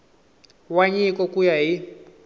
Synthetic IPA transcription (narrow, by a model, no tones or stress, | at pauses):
waɲikɔkujaɦi